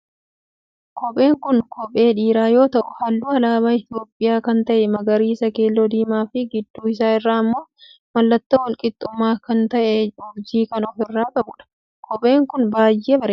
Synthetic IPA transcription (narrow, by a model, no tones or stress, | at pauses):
kɔpʼe̞ːŋkʊnkʰɔpʼe̞ːᶑiːɾaːjo̞ːt̪ɐʔʊhɐlːuːɐlaːbaːɪt̪ɪjo̞ːpʼːɪjaːkɐnt̪ɐʔɛmɐɡɐɾiːsɐkeːlːod̪iːmaːfɪɡɪd̪ːuːɪs̬aːɪrːaːmːo̞ː | mɐlːɐt̪ːɐwɐlkʼɪt̪ʼːʊmːaːkɐnt̪ɐʔɛɔbd͡ʒiːkɐnɔfɪrːaːkʼɐbʊᶑɐ̥ | kʰɔpʼe̞ːŋkʊnbaːjːeːbɐɾeː